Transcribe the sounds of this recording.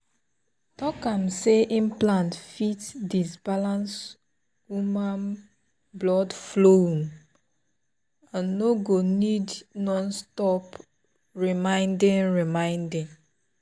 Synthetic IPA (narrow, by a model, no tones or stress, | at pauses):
tɔkamseʔimplãntfitdisbalãns | wumãn | blɔdflom | ãnːoɡonidnɔ̃nstɔp | ɹimãɪ̃ndɪ̃nɹimãɪ̃ndɪ̃ŋ